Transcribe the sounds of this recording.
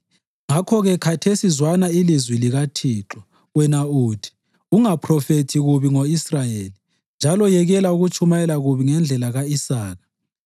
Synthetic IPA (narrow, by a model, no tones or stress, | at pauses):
ŋakʰɔɣɛkʰatʰesizwanailizwiliɣatʰiːǁɔ | wɛnauːd̥ʰʱi̥ | uŋapʰrɔfetʰiɣuβiŋoisrajeli | nd͡ʒʱalɔjɛɣɛlauɣut͡ʃʰʼumajɛlaɣuβiŋɛnd͡ɮʱɛlaɣaisaːɣḁ